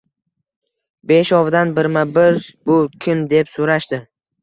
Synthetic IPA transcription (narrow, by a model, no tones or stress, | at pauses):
beʃɒvd̪anbɪɾmabɪɾbʊkʲʰɪmd̪e̞psoɾaʃd̪ɪ